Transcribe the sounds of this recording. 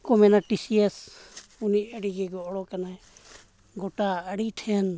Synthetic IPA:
kɔmɛnaʈisiɛsuniəɽiɡɛɡɔʔɽɔkanaɛ | ɡɔʈaəɽiʈʰɛn

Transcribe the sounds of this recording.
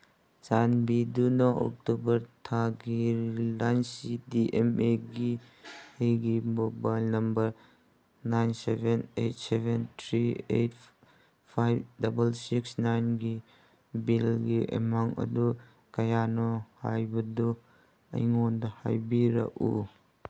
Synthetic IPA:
sanbidunɐʔo̰k̚tubɐɾtʰaɡilansidiʔemeɡi | hejɡimobajlnɐmbɐɾ | najnsebenejtsebentʰɾiḛjt | pʰajbdɐbɐlsiksnajnɡi | bilɡiʔḛmaŋɐ̰du | kɐjanɔha̰jbɐdɔ | ɐ̰jŋondɐha̰jbiɾɐ̰kṵ

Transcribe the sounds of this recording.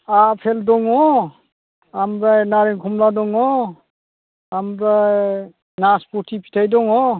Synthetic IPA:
apʰeldɔŋɔ | amɾajnaɾeŋkʰɔmladɔŋɔ | amɾaj | naspɔtʰipʰi̥tʰajdɔŋɔ

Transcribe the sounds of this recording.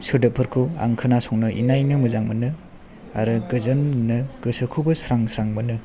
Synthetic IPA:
sɯdɯpʰɯɾkʰua̰ŋkʰɯnasɔŋnɯʔḭnajnɯmɯzaŋmɯnɯ | aɾɯɡɯzɐnːɯɡ̥ɯsɯkʰubɐsɾaŋsɾaŋmɯnɯ

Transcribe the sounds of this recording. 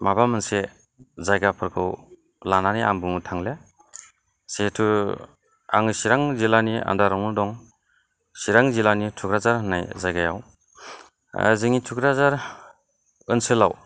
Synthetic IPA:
mabamɯnse | zajɡapʰɯɾkʰɯw | lananiaŋbɯŋutʰaŋle | setʰɯ | aŋɯsiɾaŋzilania̰ndaɾawnudɔŋ | siɾaŋzilanitʰukɾazaɾɦɯnːajzajɡaja̰w | ziŋitʰukɾazaɾ | ɯnsɯla̰w

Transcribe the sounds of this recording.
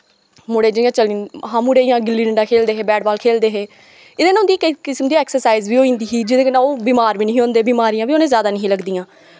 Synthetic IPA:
mʊɽeːd͡ʒəjãːt͡ʃəlĩːnɦãːmuːɽeːɪjãːɡɪlːiːɖəɳɖaːkʰeːld̪eːɦeːbɛːɖbaːlkʰeːld̪eːɦeː | ɪd̪eːnːʊnd̪iːkkɪsəmd̪iːɛːksəɾsaːizʋiːoːĩːnd̪iːɦiːd͡ʒɪd̪eːkənãːoːbiːmaːɾʋiːnəɦĩːõːnd̪eːbiːmaːɾijãːbiːoːnẽːzjaːd̪aːnəɦĩːləɡd̪iːãː

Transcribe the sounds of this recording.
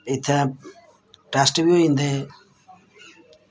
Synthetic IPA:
ɪt̪ʰẽː | ʈaːsʈbioĩːnd̪eː

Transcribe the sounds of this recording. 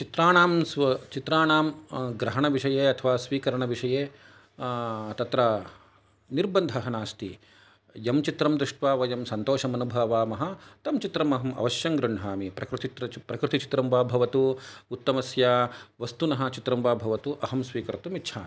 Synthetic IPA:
t͡ʃit̪ɾaːɳaːmsɐt͡ʃit̪ɾaːɳaːmɡɾɐɦɐɳɐʋiʂɐjeːɐt̪ʰɐʋaːsʋiːkɐɾɐɳɐʋiʂɐjeː | t̪ɐt̪ɾɐ | niɾbɐnd̪ʱɐɦɐnaːst̪i | jɐmt͡ʃit̪ɾɐmd̪ɾuʂʈʋaːʋɐjɐmsɐnt̪oːʃɐmɐnubʱɐːʋaːmɐɦɐ̆t̪ɐmt͡ʃit̪ɾɐmɐɦɐmɐ̰ʋɐʃjɐŋɡɾuɳɦaːmipɾɐkɾut̪it̪ɾɐpɾɐkɾut̪it͡ʃi̥t̪ɾɐmʋaːbʱɐʋɐt̪uut̪ːɐmɐsjaːʋɐst̪unɐɦɐ̆t͡ʃit̪ɾɐmʋaːbʱɐʋɐt̪uʔɐɦɐmsʋiːkɐɾɐt̪umitːʃʰaːmi

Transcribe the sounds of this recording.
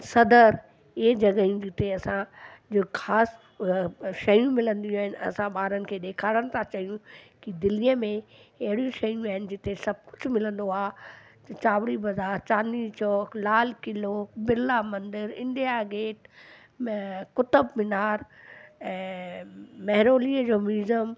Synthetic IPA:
sɐd̪əɾ | ed͡ʑɐɡəijũd͡ʑɪt̪eɐsãd͡ʑxʰaːs | ʃɐjũmɪlə̃nd̪ijũaːɦɪnɪɐ̰sãɓaːɾənɪ̆kʰeːɗ̪eːkʰaːɽəɽ̃ɪ̆t̪ʰãt͡ɕɐɦijũkid̪ɪlijəmẽɐɦɪɽijũʃɐjũaːɦɪnɪ̆d͡ʑɪt̪esɐb̚kʊd͡ʑʱmɪlə̃nd̪oaːt̪t͡ɕaːʋɽibɐzaːɾt͡ɕaːnit͡ɕʰɔːklaːlkɪlobɪlamɐ̃nd̪ɪɾɪ̰̃nɖijaɡeːʈ | kʊt̪əbmɪnaːɾɛ̃ː | mɐɦɪɾoːliːəd͡ʑoːmiːzəm

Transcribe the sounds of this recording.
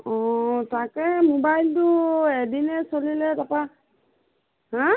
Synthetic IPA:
ɔtakɛmobajltʊedinɛsolilɛtapa | ɦã

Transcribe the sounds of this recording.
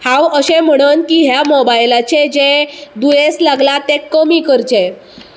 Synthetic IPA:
hãwəɕem̤əɽ̃ənkiɦjamɔbajlat͡ɕed͡ʑed̪ujeslaɡlat̪ekːəmikəɾt͡ɕe

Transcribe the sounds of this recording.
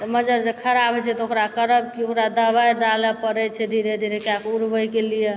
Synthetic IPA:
t̪məd͡ʒəɾd͡ʒekʰəɾabʱət͡ʃʰɛt̪ɔokɾakəɾəb̚kiokɾad̪əbajɖaləpəɾɛt͡ʃʰɛd̪ʱiɾed̪ʱiɾekeakuɾbəjkelije

